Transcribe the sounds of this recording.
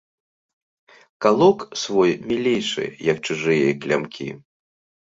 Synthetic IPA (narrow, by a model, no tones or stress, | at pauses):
kalˠɔksvɔjmʲilʲejʂɨ̰jɐk̚t͡ʃuʐɨjɐklʲa̰mkʲḭ